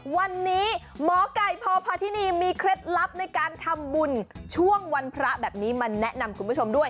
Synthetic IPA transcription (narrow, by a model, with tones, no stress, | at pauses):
wa˧nːiː˦˥ | mɔː˨˩˦ka˨˩jpʰɔː˧pʰaː˧t̪ʰi˦˥niː˧miː˧kʰɾe˦˥t̪̚la˦˥p̚na˧jkaː˧nt̪ʰa˧mbu˧nt͡ɕʰu˥˩əŋwa˧npʰɾa˦˥bɛː˨˩p̚niː˦˥maː˧nɛ˦˥ʔna˧mkʰu˧npʰu˦˥t͡ɕʰo˧mdu˥˩əj